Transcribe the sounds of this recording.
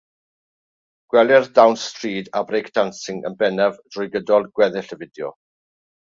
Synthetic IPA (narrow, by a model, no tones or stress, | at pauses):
ɡ̥wɛlˠɛrdawnstriːdabrejkʰd̥ansɪŋə̰nbɛnɛvd̥rʊjɡədɔlˠɡ̥wɛðɪɬəvɪdjɔ̰